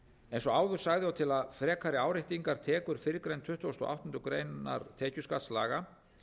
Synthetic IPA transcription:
ejnsɔaːwðʏɾ̥saɣðɪawt̪ʰɪlaðfɾɛːkʰaɾɪaːwɾɪht̪iŋkaɾ̥t̪ʰɛːkʏɾ̥fɪɾɪkɾejnt̪ʰʏht̪ɔst̪ɔ̰ʔa̰wht̪ʏnt̪ɾʏkɾeːjna̰ɾt̪ʰɛːcʏskat̪sla̰ːɣa

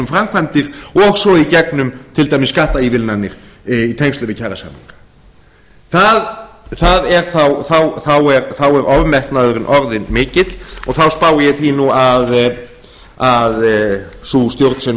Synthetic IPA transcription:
ʏmfɾamkʰvajnt̪ɪɾ̥ɔɣsɔicɛknʏmt̪ʰɪlt̪ajmɪsːkaht̪aivɪlnanːɪɾ̥it̪ʰejŋst̪ʏvɪcʰaɾasa̰mḭŋkḁ | θaðθaðɛɾ̥θawθawθawɛɾθawɛɾɔvmɛht̪naðʏɾɪnʔɔɾðɪnmɪːcɪt̪lɔɣθawspaːwɪjɛθinuað | aðsust̪jowɾt̪n̥sɛn

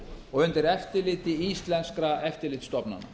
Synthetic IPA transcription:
ɔɣʏnt̪ɪɾɛft̪ɪlɪːt̪ɪist̪lɛnskɾaɛft̪ɪɾlɪːt̪st̪ɔpna̰nːa̰

